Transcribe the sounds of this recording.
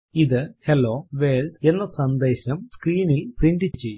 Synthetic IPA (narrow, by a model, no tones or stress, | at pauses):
iðɨhelːo̞ːʋeːld̪e̞nːɐsɐnd̪e̞ːɕɐmskɾiːnilpriɳɖɨt͡ɕːe̞jː